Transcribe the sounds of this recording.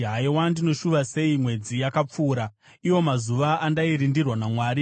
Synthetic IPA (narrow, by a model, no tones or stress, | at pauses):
ɦaiwandino̞ʃuʋase̞imwe̞d͡zijakap͡fuːɾa | iwo̞mazuʋaʔːndaiɾindirwanamwaːɾi